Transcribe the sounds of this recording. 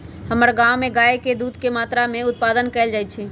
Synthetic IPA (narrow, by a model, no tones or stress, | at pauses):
həməɾɡãːwmẽɡaːeked̪uːd̪kemaːt̪ɾamẽʊt̪̚paːd̪ənkɛɪld͡ʒaːɪt̪̚t͡ʃʰi